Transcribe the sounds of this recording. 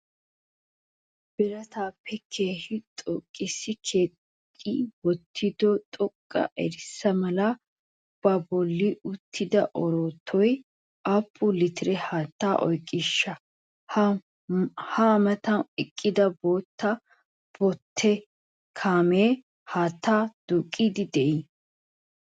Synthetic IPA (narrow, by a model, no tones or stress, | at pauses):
b̥ɪɾɐt̪aːpʰːɛkʰe̞ːhɪt̪ʼɔkʼːɪsːɪkʰeː | iwɔt̪ʰːɪd̪ɔt̪ʼɔkʼːɐ̰ʔɛɾɪsːɐmɐlɐ | b̥ɐbɔlːɪʊt̪ʰːɪd̪ɐʔɔɾoːt̪ʰːɔj | ʔapːʊlɪt̪ɪɾɛhaːt̪ːaːʔɔjkʼːɪʃːɐ | h | hamɐt̪ɐnɪkʼːɪd̪ɐboːt̪ːɐ | b̥ɔt̪ʰːɛ | kʰaːmeː | haːt̪ːaːd̪̥ukʼːiːd̪ɪd̪ɛʔi